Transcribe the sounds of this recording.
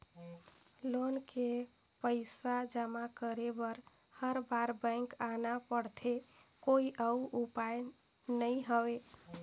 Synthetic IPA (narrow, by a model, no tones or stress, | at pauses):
lonke | pəɪsad͡ʒəmakəɾebəɾ | həɾbaɾbə̃ɪŋkanapəɽt̪ʰekoiʔəuʔupaj | nəiɦəwe